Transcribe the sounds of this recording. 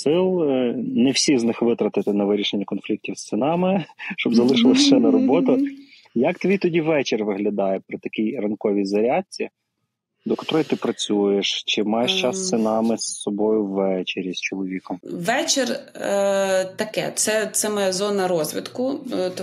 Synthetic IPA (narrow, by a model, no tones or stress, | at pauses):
sɪlˠnɛwsʲiznɪxʋɪt̪ɾɐt̪ɪt̪ɪnɐʋɪɾʲiʃenʲːɐkɔnflʲik̚tʲiwst̪senɑmɪʃt͡ʃɔbzɐlˠɪʃɪʋɐʃɛnɐɾɔbɔt̪ʊ | jɐkt̪ʋʲit̪ɔdʲiʋɛt͡ʃerʋɪɦlʲɐd̪ɑjɛpɾɔt̪ɐkʲijrɐnkɔʋʲijzɐɾʲat͡sʲi | d̪ɔkɐt̪ɔɾɔjit̪ɪpɾɐt͡sʲujeʃt͡ʃɪmɑjeʃt͡ʃɑst̪sɪnɑmɪsːɔbɔjʊwːɛt͡ʃeɾʲist͡ʃɔlˠɔʋʲikɔmʋɛt͡ʃer | t̪ɐkɛ̰t̪sɛt̪sɛmɐjɛzɔnɐɾɔzʲʋʲɪ̰t̪kʊ